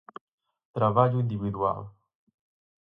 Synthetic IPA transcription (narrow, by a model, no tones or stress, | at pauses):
t̪ɾavad͡ʒuĩnd̪ivid̪wa̰l